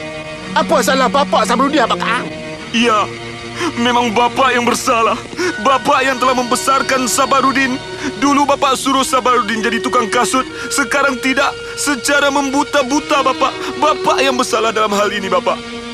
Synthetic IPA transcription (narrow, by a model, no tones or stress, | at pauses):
apasalahbapaʔsabaɾudinapakaʔa | ija | memaŋbapaʔjaŋbərsalah | bapaʔjaŋt̪əlahməmbəsarkansabaɾudɪn | dulubapaʔsuɾʊhsabaɾudɪnd͡ʒadit̪ukaŋkasʊt̪̚ | səkaɾaŋt̪idaʔ | sət͡ʃaɾaməmbut̪abut̪abapaʔbapaʔjaŋbəsalahdalamɦalinibapaʔ